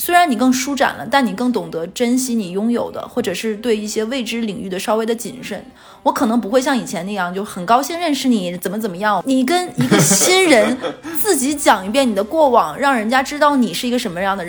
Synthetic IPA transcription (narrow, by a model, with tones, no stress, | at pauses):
swe˥ɪɻa˧˥ni˨˩kɤ˥˧ŋʂu˥ʈ͡ʂa̰˨˩nlʔə̰˦t̪a˥˩ni˨˩kɤ˥˩ŋt̪ʊ˨˩ŋt̪ɤ˧˥ʈ͡ʂə˥nɕi˥ni˨˩jʊ˥ŋjo̰˨˩ʊd̪ə̰˦xwɔ˥˩ʈ͡ʂɤ˨˩ʂɻ̩˥˧t̪we˥˧ɪi˥˩ɕjɛ˥we˥˩ɪʈ͡ʂɻ̩˥li˨˩ŋy˥˩d̪ə˩ʂɑ˥ʊwe˥˩ɪd̪ə˨t͡ɕḭ˨˩nʂə̰˥˩n | wɔ˧˥kʰɤ˨˩nɤ˧˥ŋp̬u˧˥xwe˥˧ɪɕjɑ˥˩ŋi˨˩t͡ɕʰjɛ˧˥na˥˧jɑ˥˧ŋt͡ɕjo˥˩ʊxə˨˩nkɑ˥ʊɕi˥˧ŋɻə˥˧nʂɻ̩˥˩ni˧˥ɛ˧˥˩t͡sə˨˩nmə˦t͡sə˨˩nmə˦jɑ˥˩ŋni˨˩kə˥ni˧˥ɡə˧ɕi˥nɻə˧˥nt͡sɹ̩˥˩t͡ɕi˧˥t͡ɕjɑ˨˩ŋi˧˥pjɛ˥˩ni˨˩d̪ə˦kwɔ˥˩wɑ˨˩˦ŋɻɑ˥˩ŋɻə˧˥nt͡ɕja˥ʈ͡ʂɻ̩˥t̪ɑ˥˩ʊni˨˩ʂɻ̩˥˩i˧˥ɡə˧ʂə˧˥nmə˧jɑ˥˩ŋd̪ə˩˧˥